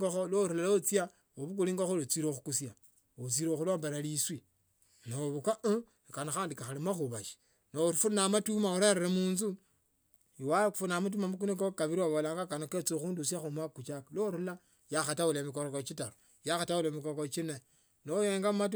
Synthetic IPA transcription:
ɡoxoloɾulalot͡sia | oβuk̬uliːŋɡoxolot͡siɾoxukusja | ot͡siɾoxulwaːmbeɾaliswi | noβukaʔ | kanaxaːndikaxalimaxuβaʃi̥ | noɾufunamatumauɾeɾeɾemuːnzu | iwafunamut̬umamukunekokaβiɾiwaβolaːŋɡakanoket͡soxuːndus̬axumakut͡ʃakaloɾula | jaxatawulemikoɾokot͡ʃitaɾo | jaxatawulemikokot͡ʃine | nojeːŋɡammat̬

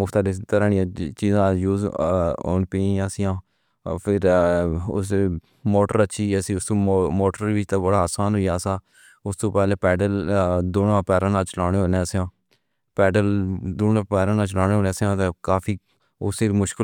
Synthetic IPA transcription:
mʊkʰt̪aːd̪est̪əɾaːnɪjãːt͡ʃiːzãːjuːzo̰ːnpiːaːsɪjãː | pʰɪɾʊ̰s | moːʈəɾəʃʰiːəsiːʊst̪õːmoːʈəɾʋɪt͡ʃt̪aːbəɽaːaːsaːnɦoijaːsaː | ʊst̪õːpɛːleːpɛːɖəld̪oːnãːpɛːɾãːnãːt͡ʃəlaːɽeːɦoːneːsãː | pɛːɖəld̪oːnãːpɛːɾãːnãːt͡ʃlaːɽ̃eːɦoːnẽːsãːt̪ekaːpʰiː | ʊseːmʊʃkɪ

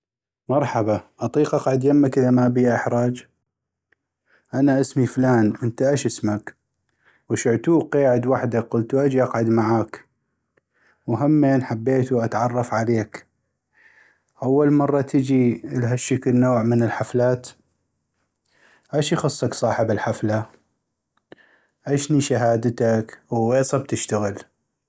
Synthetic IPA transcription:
mɑɾˤħɑbaʔɑt̪ˤiːqʔɑqʕad̪jamːakʔəðamaʔbiʔɪħɾˤɑːd͡ʒ | ʔanaʔɪsmiflaːnwʔənt̪aʔaʃʔɪsmak | wʃɪʕt̪uːqeːʕɪd̪waħd̪aqʊlt̪uʔad͡ʒiʔɑqʕad̪maʕaːk | wɦamːeːnħabːeːt̪uʔat̪ʕɑrˤːɑfʕaleːk | ʔawːalmɑrˤːɑt̪ʰəd͡ʒilɦaʃːəkəlnoːʕmənɪlħaflaːt̪ | ʔaʃixʊsˤːɑksˤɑːħɪbɪlħafla | ʔaʃniʃaɦaːd̪t̪akwweːsˤɑb̚t̪ɪʃt̪aɣɪl

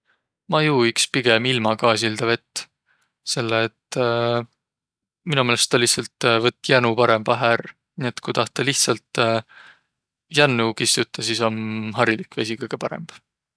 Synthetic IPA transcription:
mɑjuːikspiɡ̥e̞milmɑɡɑːs̬ild̪ɑve̞t̪ː | se̞lːeːt̪ː | minumeːlest̪ːɑliht̪sɑlt̪vɤt̪ːˑjænupɑɾe̞mbɑɦær | nie̞t̪kujt̪ɑht̪d̪eliht̪sɑlt̪ | jænːukist̪ut̪ːˑɑsiso̞nɦɑɾilikːvesikɤjɡ̥e̞pɑɾḛmb̥

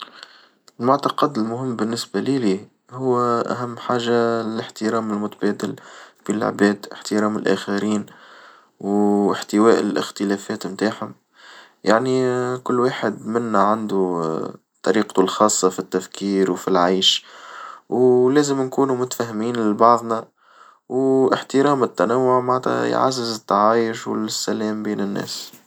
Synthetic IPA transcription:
ɪlmʊʕt̪ɑqɑd̪ɪlmʊɦɪmːbɪnːɪsbæliliː | hʊwːʔæ̰ɦæmːħaːʒaɪlɪħt̪ɪɾæːmɪlmʊt̪æbæːd̪ɪlfil̰ʕbæːd̪ɪ̰ħt̪ɪɾɑːmɪlʔæ̰ːxaɾiːn | wɪħt̪ɪwæːʔlʔɪ̰xt̪ɪlæːfɛːt̪mt̪aːħhʊm | jaʕnikʊlːwaːħɪd̪mɪnːæʕand̪u | t̪ˤːɑɾiːqt̪ulxɑːsˤːɑfit̪ːæfkiːɾwfilʕajʃ | wlæːzɪmnkuːnumʊt̪fæɦmiːnlɪbɑʕðˤnæ | wʔɪħt̪ɪɾɑːmɪt̪ːænawːʊʕmaʕt̪æ̰j̰ʕa̰zːɪzɪt̪ːɑʕaːjɪʃw̰lsːælɛːmbiːnɪnːæ̰ːs

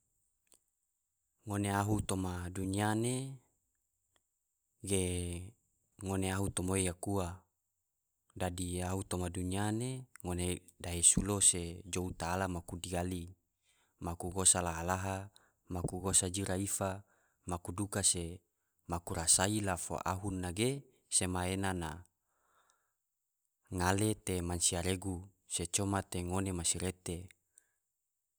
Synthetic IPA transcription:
ŋoneaɦut̪omaduniane | ɡe | ŋoneaɦut̪omoejakua | dadiaɦut̪omadunianeŋone | daɦesulosed͡ʒout̪aːlamakudiali | makuɡosalaɦalaɦa | makuɡosad͡ʒiɾaifa | makudukase | makuɾasailafo̰ʔa̰ɦunːaɡe | semaenana | ŋalet̪emansiaɾeɡu | set͡ʃomat̪eŋonemasiɾet̪e

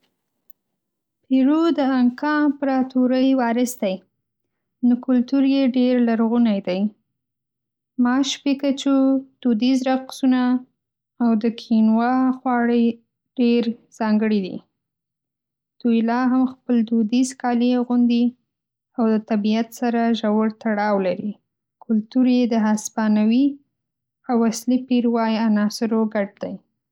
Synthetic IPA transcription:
piɾud̪əaŋkɑpɾɑt̪uɾəjwɑɾɪsd̪aj | nokʊlt̪uɾjeɖeɾlaɾɣunajd̪aj | mɑʃpekat͡ʃud̪̥ud̪izɾaqsunaː | wd̪əkʰinwɑxwɑɽe | ɖ̥eɾz̥ɑŋɡəɽid̪ḭ | d̪̥ujlɑɦamxpəld̪ud̪izkɑliɣʊnd̪i | awd̪ət̪abiat̪saɾaʒawəɽt̪aɽɑwlaɾi | kʊlt̪uɾed̪əɦaspɑnawi | awaslipiɾwɑjanɑsɪɾoɡaʈ̚d̪aj

